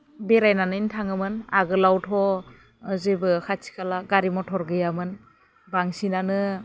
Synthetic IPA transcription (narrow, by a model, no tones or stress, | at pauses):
beɾajnanɯintʰaŋɯmɯnaɡɯlawtʰɔ | zebɯkʰasʰi̥kʰalaɡaɾimɔtʰɔɾɡɯjamɯn | baŋsinanɯ